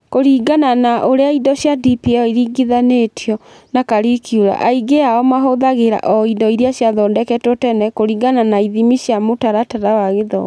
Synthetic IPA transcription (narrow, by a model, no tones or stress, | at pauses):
koɾiːɡananaʔoɾeaidɔɕjadipiɔiɾiɡiðaneːtʰjɔ | nakaɾikjuɾa̰ʔaiɡeaɔmaɦoðaɣeɾa̰ʔɔidɔiɾiaɕjaðɔdɛkɛtotɛnɛkoɾiːɡananaiðimiɕjamotaɾataɾawaɣeðɔ̰